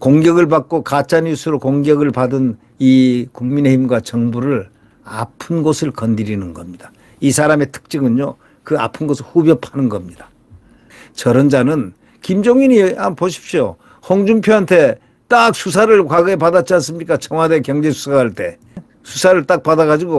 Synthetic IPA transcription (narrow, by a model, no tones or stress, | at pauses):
koŋɡjʌɡɯɭpak̚k͈okat͡ɕʰaɲjusʰɯɾokoŋɡjʌɡɯɭpadɯn | ikuŋmine̞himɡwat͡ɕʌŋbuɾɯɭ | a̰pʰɯnɡosʰɯɭkʌndiɾinɯnɡʌmɲid̥a | isʰaɾame̞tʰɯ̥k̚t͡ɕ͈ɯɡɯɲɲo | kɯa̰pʰɯnɡʌsʰɯɭhubjʌpʰanɯnɡʌmɲidḁ | t͡ɕʌɾʌnd͡ʑanɯn | kimd͡ʑoŋiɲiampoɕʰi̥p̚ɕio | hʌŋd͡ʑumpʰjoantʰe̞ | t͈ak̚sʰus̬ʰaɾɯɭkwaɡɯepadat͡ɕ͈iansɯmɲik͈at͡ɕʰʌŋwadekjʌŋd͡ʑe̞sʰu̥sʰaɡaɭt͈e̞ | sʰusʰaɾɯɭt͈ak̚padaɣad͡ʑiɡo